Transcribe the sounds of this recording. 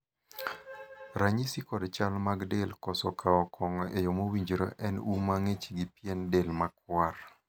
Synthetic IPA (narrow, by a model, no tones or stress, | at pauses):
ɾaɲisikɔdt͡ʃalmaɡdelkɔsɔkʰaɔkʰɔŋɔʔejomowiɲd͡ʒɾo̰ʔɛnumaŋet͡ʃiɡipjɛndelmakwar